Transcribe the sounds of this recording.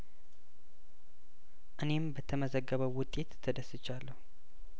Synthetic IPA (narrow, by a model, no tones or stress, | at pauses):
ʔɨne̞mbət̪ʰəməzəɡːəβəwwʊt̪ʼːe̞t̪ʰːəd̪əsɨt͡ʃːalːəhu